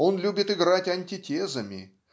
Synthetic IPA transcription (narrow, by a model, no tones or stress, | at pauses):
o̞nlʲubʲɪt̪ɪɡɾatʲɐnʲtʲɪtʲezəmʲɪ̰